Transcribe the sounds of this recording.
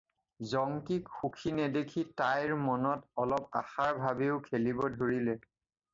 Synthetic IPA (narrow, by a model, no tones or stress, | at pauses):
zɔŋkikxukʰinɛdekʰitajɹmɔnɔtɔlɔp̚a̰xaɹbʱabeʊkʰelibɔdʱoɹilɛ